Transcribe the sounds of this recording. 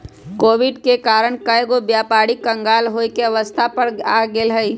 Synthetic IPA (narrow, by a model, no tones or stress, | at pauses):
koːʋɪɖkekaːɾəɳkəjɡobjaːpaːɽikɐ̃ŋɡaːlɦoːikeɐʋəst̪ʰapɐɾaːɡelɦəi